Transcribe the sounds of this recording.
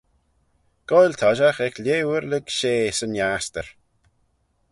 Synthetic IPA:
ɡ̥ɔjlʲt̪ʰɔʒaxɛkʰljeːwəɾlɪɡʃeːsənjaːst̪əɹ

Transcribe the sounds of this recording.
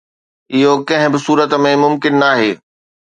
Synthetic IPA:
ɪɦokɐ̃ɦɪ̃bɪsuːɾət̪̆mẽmʊmkɪnːaːɦeː

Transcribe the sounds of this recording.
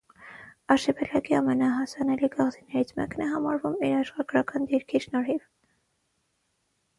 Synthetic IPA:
ɑʃɛpɛlɑkiɑmɛnɑɦɑsɑnɛliɡɑʁzinɛɾit͡sʰmɛ̰knɛɦɑmɑɾvumiɾɑʃχɑɡɾɑkɑnd̪iɾkʰiʃnɔɾɦiv

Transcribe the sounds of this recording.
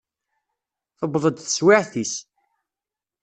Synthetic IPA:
θəbðˤəd̪θə̥swɪʕθis

